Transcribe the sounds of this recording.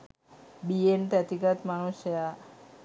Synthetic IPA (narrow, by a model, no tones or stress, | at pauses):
bienʈæt̪ikat̪manusja